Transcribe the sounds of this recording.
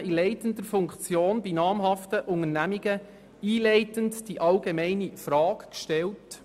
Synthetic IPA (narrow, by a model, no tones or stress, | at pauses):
ilɛɪtəndəɾfʊŋkt͡sjoːnbinɑːmɦɑftəʔʊŋəɾnæmiɡə | iːlɛɪtəntd̥iʔɑlɡemɛɪnifɾɑːkkʃtɛlt